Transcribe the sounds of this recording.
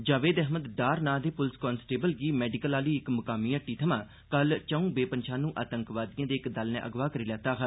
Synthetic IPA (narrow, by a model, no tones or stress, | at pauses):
d͡ʒaːʋeːd̪ɛɦməd̪ɖaːɾnaːd̪eːpʊlskɔːnsʈeːbəlɡiːmɛːɖɪkəlaːliːɪkmʊkaːmĩːəʈːiːt̪ʰəmãː | kəlt͡ʃəũːbeːpənʃʰaːnũːʔaːt̪əŋkʋaːd̪ijãːd̪eːɪkd̪əlnḛ̃ːʔəɡʋaːkəɾiːlɛːt̪aːɦʰə